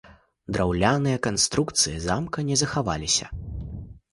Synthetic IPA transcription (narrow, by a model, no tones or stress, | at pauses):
d̪ɾawlʲanɨjɐkanst̪ɾukt̪sɨjɐzamkɐnʲɛzɐxava̰lʲisʲɐ̰